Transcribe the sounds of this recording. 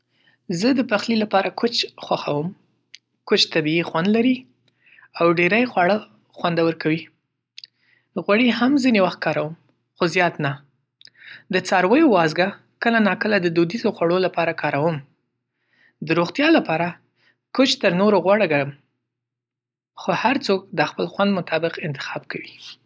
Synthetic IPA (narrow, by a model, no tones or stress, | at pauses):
zəd̪əpaxlilapɑɾakʰot͡ʃxwaxawəm | kot͡ʃt̪abiixwand̪laɾi | awɖeɾajxwaɽə | xwand̪awəɾkawi | ɣwaɽiɦamzinewaxt̪̚kɑɾawəm | xozjɑt̪na | d̪ət͡sɑɾwəjowɑzɡa | kəlanɑkəlad̪əd̪ud̪izoxwaɽolapɑɾakɑɾawəm | d̪əɾoɣt̪jɑlapɑɾa | kʊt͡ʃt̪əɾnoɾoɣwaɽəɡaɽəm | xohaɾt͡sok̚d̪əxpəlxwand̪mʊt̪ʰɑbɪqɪnt̪ɪ̥xɑb̚kawi